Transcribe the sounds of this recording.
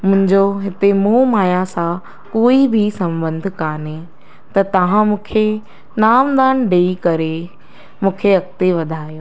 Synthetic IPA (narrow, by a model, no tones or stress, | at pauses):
mʊ̃ɦɪ̃ɲd͡ʑoɦɪt̪emũːmaːjasã | koːibʱisɐ̃mbə̃nd̪ʱkaːne | t̪ɐt̪ɐʋ̤ãmũːkʰe | naːmd̪aːnɖeːikɐɾe | mũːkʰeɐkt̪eʋɐd̪ʱaːijoː